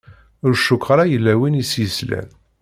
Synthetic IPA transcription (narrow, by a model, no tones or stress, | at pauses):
ʊɾʃukːɾˤɑjəlːæwinisjislæ̰n